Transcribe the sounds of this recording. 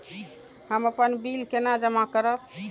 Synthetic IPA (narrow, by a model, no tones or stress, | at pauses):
həməpənbilkenad͡ʒəmakəɾəp